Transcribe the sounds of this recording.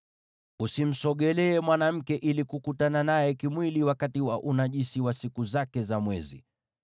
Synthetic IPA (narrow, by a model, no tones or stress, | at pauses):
usim̩sɔɠɛlɛːmwanam̩kɛʔilikukutananajɛkimwiliwakatiwaʔunaʄisiwasikuzakɛzamwɛ̰zḭ